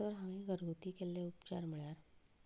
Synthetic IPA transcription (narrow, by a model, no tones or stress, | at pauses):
əɾɦaʋ̃ĩːɡʱəɾɡut̪iːkelːeupt͡ɕa̰ɾm̤iɭjaɾ